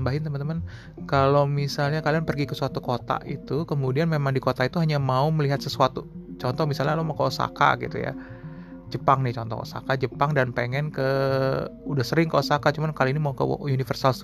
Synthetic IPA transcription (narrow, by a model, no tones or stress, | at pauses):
mbaɦɪnt̪əmənt̪əmən | kalomisalɲakalianpərɡikəsuat̪ukot̪a̰ʔḭt̪ukəmudianmemaŋdikot̪ait̪uɦaɲamauməliɦat̪səsuat̪ut͡ʃɔnt̪ɔhmisalɲalomakəosa̰ka̰ɡḭt̪ṵja̰ | d͡ʒəpaŋnɪht͡ʃɔnt̪ɔ̰ko̰sa̰kad͡ʒəpaŋdanpeŋɛnkə | udahsəɾɪŋkəosakat͡ʃumankaliinimaukə̰unifərsals